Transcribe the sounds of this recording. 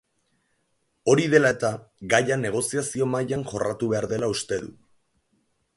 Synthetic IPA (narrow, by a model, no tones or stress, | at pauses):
o̞ɾiðe̞lae̞t̪aɡajane̞ɣ̞o̞siasio̞majanʝo̞rat̪uβe̞aɾðe̞laust̪e̞ðṵ